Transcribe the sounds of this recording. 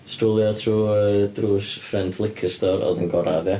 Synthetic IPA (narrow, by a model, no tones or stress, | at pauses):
stulˠjɔtʰruːədruːsfrɛntʰlˠɪkʰəstɔɾɔ̰ðənɡɔɾa̰ðɛ